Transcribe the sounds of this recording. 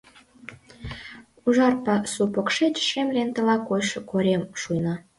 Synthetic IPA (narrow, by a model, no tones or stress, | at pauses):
uʒɑrpɑsupokʃet͡ɕʃemlent̪ə̆lɑkojʃɤkoɾʲemʃujnɑ